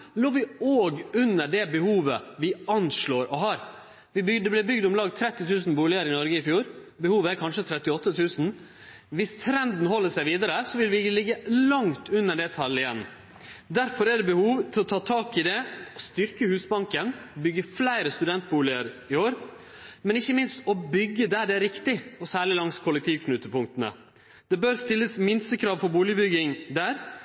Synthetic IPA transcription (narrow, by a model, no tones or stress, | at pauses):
loːʋɪoːɡʉnːəɖɛbəhuːʋəʋɪɑnʂɭoːɾɔɦɑːɾ | ʋɪbd̪ɛblæbʏɡd̪ʊmlɑːɡt̪ʰɾɛt̪ːɪt̪ʰʉːsn̩buːlɪəɾɪnɔɾɡəɪfjuːɾbəhuːʋəæɾkʰɑnʂət̪ʰɾɛt̪ːɪɔt̪ːət̪ʰʉːsn̩ | ʋɪst̪ʰɾɛnd̪n̩hɔlːəʂæɪʋiːd̪əɾəsɔʋɪlʋɪlɪɡːəlɑŋt̪ʰʉnːəɖɛt̪ʰɑlɪjɛnː | d̪æɾfɔɾɛɖɛbəhuːʋt̪ʰɪlɔt̪ʰɑːt̪ʰɑːkɪd̪ɛɔst̪ʏɾkəhʉːsbɑŋkənbʏɡːəflæɪɾəst̪ʉd̪ɛnt̪̚buːlɪəɾɪoːɾ | mɛnɪçːəmɪnst̪ɔbʏɡːəd̪æɖɛæɾɪkt̪ɪɔsæːɭɪlɑŋskʰʊlːɛk̚t̪ʰiːʋkʰnʉt̪ːəpʊŋk̚t̪ənə̰ | d̪̥ɛbøːɾst̪ɪlːəsmɪnst̪əkʰɾɑːʋfɔɾbuːlɪəbʏɡɪŋd̪æːɾ